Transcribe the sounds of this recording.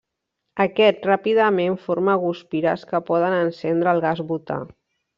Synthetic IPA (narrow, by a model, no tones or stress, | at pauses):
əkɛt̪̚rapiðəmeɱfoɾməːɣuspiɾə̰skəpɔðənənsɛnd̪ɾəːlˠɣazβut̪a̰